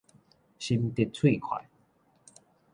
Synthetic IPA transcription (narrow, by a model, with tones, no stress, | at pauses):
ɕi˧mt̪i˧t̚t͡sʰwĩ˥˧˨kʰwa̰˨˩˦